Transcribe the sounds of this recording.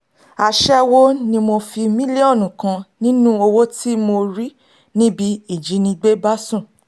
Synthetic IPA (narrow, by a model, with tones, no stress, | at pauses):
a˨ʃɛ˦wo˦nĩ˧mo˧fi˧mĩ˦li˦o˦˨nũ˨kã˧nĩ˦nũ˦o˧wo˦tʰi˦mo˧ɾi˦ | nĩ˦bi˧˦i˦˨d͡ʒi˨˦nĩ˧ɡ͡be˦ba˦sũ˦˨